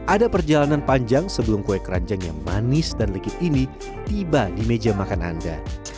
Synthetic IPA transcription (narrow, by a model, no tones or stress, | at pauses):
ʔadapərd͡ʒalananpaɲd͡ʒaŋsəbəlʊmkoɛkɾa̰ɲd͡ʒaŋjaŋmanɪsdanlikɪt̪̚ini | t̪ibadimed͡ʒamakana̰nda̰